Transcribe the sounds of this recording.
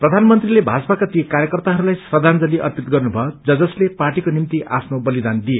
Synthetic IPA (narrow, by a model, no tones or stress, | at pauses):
prʌd̪ʱanmʌnt̪rilebʱat͡sʌpakat̪ijekaɾjʌkʌrt̪aɦʌɾulajsrʌd̪ʱand͡zʌliʔʌ̰rt̪it̪̚ɡʌrnubʱʌod͡zʌd͡zʌsleparʈikonimt̪iʔapʰnobʌlid̪and̪ie